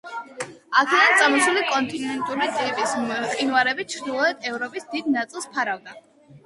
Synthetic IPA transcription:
akʰɛd̪ant̪sʼamɔsulikʼɔnt̪ʼinɛnt̪ʼuɾit̪ʼipʼisqʼinvaɾɛbit͡ʃʰɾd̪ilˠɔɛd̪ɛvɾɔpʼisd̪id̪nat̪sʼilˠspʰaɾavd̪a

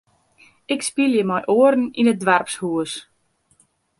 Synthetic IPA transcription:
ɪkspilˠjəmɔjʔoərn̩inət̚dʋɛrpshuəs

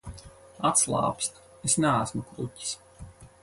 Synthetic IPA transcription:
at̪slˠɑ̰ːpsʲt̪ | esnææsmukɾutʲi̥s

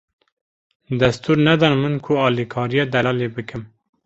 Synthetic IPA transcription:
d̪ɛst̪ʰuːɾnɛd̪ɑnmɨnkʰʊɑːlikʰɑːɾijɑd̪ɛlɑːlebɨkʰɨm

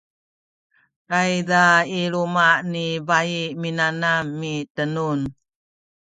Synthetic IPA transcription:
ɾajdaiɾumanibaiminanamːitənun

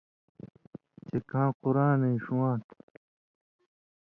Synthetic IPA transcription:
t͡ɕekãːquɾãːnẽiʂuwãːt̪

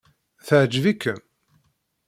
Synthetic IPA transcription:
θəʕd͡ʒvikːə

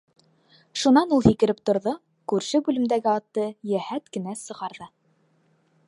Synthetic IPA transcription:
ʃunɑnulˠhikɘ̆ɾɘp̚t̪ŏɾðo | kʉɾʃɘbʉlɘ̆md̪æɡɘɑt̪ːɤjæhæt̪kɘ̆næsɤ̆ʁɑɾðɤ

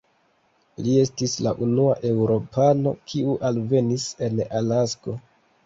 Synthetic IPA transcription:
lie̞stisla̰ʔunuaʔe̞wɾo̞pano̞̰kʰiuʔalve̞nise̞nalasko̞

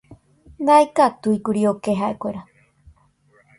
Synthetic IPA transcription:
ŋajkat̪uikuɾiokeɦaekʷeɾa

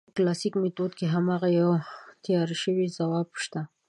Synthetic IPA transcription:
klɑsikmet̪od̪keɦamɑɣajawt̪jɑɾiʃəwizawɑbʃt̪a

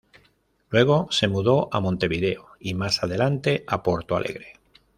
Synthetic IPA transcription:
lwe̞ɣ̞o̞se̞muðo̞ʔamõnt̪e̞βiðe̞oimasað̞e̞lant̪e̞apo̞ɾt̪oa̰lʔe̞̰ɣɾe̞

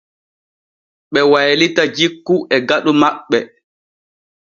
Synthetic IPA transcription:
ɓɛwajlitad͡ʒikːuʔɛɡaɗumaɓːɛ

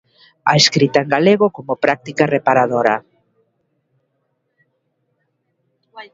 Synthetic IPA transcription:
a̰eskɾit̪aeŋɡaleɣokomopɾak̚t̪ikarepaɾaðoɾa

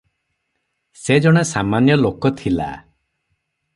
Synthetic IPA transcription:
sed͡ʒɔɽ̃esamanjɔlokɔt̪ʰila̰

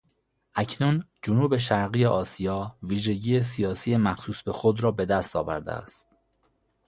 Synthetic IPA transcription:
ʔæcʰnund͡ʒʊnuːbe̞ʃ̬æɾɣijeʔɒːsijɒːviːʒe̞ɟiːjes̬ijɒːsiːjemæxsuːsbe̞xod̪ɾɒːbe̞d̪æst̪ɒ̰ːvæ̰ɾd̪ḛæ̰st̪̚

